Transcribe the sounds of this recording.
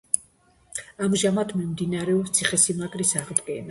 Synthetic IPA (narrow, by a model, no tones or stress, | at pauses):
amʒamad̪ʰmimd̪inaɾɛɔpst̪sʰiχɛsimakʼɾisaʁd̪ɡɛna